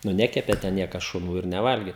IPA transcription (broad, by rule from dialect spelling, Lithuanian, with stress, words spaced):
nʊ ˈnʲæːkʲɛpʲeː tʲɛ ˈnʲiɛkɐs ʃʊˈnuː ɪr nʲɛˈʋɐlʲɡʲeː